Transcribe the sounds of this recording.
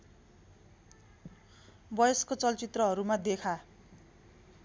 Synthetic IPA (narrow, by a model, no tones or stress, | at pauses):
bʌjʌskot͡sʌlt͡sit̪rʌɦʌɾumad̪ekʰa